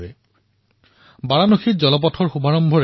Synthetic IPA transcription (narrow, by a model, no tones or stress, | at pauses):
ɛ | baɹanoxit̚zɔlɔp̬ɔtʰɔɹxubʱaɹɔmbʱɔɹ